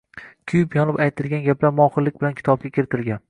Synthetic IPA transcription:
kʲʰʊjɪpjɒnɪpajt̪ʰɪlɡʲanɡʲaplaɾmɒχɨlːɪkʲbɪlankʲʰɪ̥t̪ʰɒb̚ɡʲakʲʰɪɾɪt̪ʰɪlɡʲan

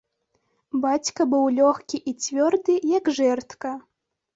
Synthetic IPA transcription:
bat͡sʲkɐbɨwlʲɔxkʲiʔit͡sʲvʲɔrd̪ɨjɐɡʐɛrt̪kɐ

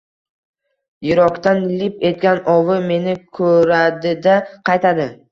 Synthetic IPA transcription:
jɪɾɒkt̪anlɪpe̞t̪̚ɡʲanɒwɪme̞nɪkʰɵɾad̪ɪd̪aqʰɑjt̪ʰad̪ɪ

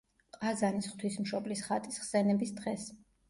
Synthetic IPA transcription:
qʼazanisχt̪ʰwismʃɔblisχat̪ʼisχsɛnɛbisd̪ʁɛs

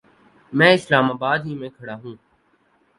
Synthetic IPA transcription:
mɛ̃ːɪslaːmaːbaːd̪ɦiːmẽːkʰəɽaːɦũː

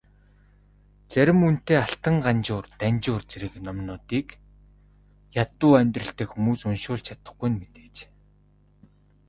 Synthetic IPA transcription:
t͡sæɾʲɪ̆mun̥t̪eːaɬt̪ə̆ɴɢant͡ɕʊːrt̪ænʲt͡ɕʊːrt͡seɾɘ̆knɔmnʊːt̪iːk | jat̪ʊːæmʲt̪rə̆ɬt̪eːkxumuːsʊnʃʊːɮt͡ɕʰat̪ə̥̆χɡujnmet̪e̥ːt͡ɕː

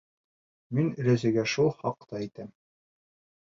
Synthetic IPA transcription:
minɵ̆ɾæzɘ̆ɡæʃulˠχɑqt̪ɑit̪æm

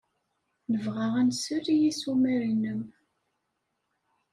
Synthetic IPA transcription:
nəvʁaʁænsəɾijisumæɾinəm

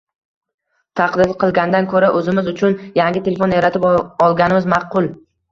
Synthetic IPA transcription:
t̪ʰɑqd̪ɪɾqʰɨlˠɡʲand̪ankʰɵɾaʔɵzɪmɪzʊt͡ʃʰʊnjaŋɡʲɪt̪ʰe̞lefoneɾat̪ʰɪpɒlˠɡʲanɪmɪzmɑqʊlˠ

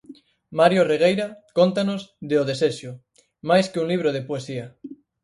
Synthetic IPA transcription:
maɾjoreɣ̞ejɾakont̪anozðeoðeseʃo | majskeuŋliβ̞ɾoð̞epoesia

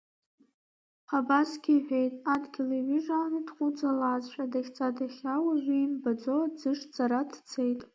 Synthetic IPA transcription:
χabasɡʲiħʷᶣe̞jtʼadɡʲilaʕiʐanɨdχʷʼud͡zalaːzʃʷʼadaχʲt͡sʼadaχʲawaʒʷᶣiːmbad͡zod͡zɨʂd͡zʼaɾadʰt͡sʰejtʼ

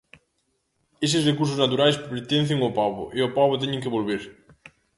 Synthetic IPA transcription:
es̬ɪsrekuɾs̬ʊznat̪uɾajspeɾt̪en̟θeŋopaβo̰ʔeopaβot̪̬eɲẽŋkeβolβeɾ

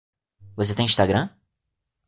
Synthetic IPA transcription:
vos̬et̪ẽj̃ĩʃt̪aɡɾɐ̃

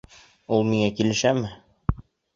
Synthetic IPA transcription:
ulˠmiŋækilɘ̆ʃæmɘ

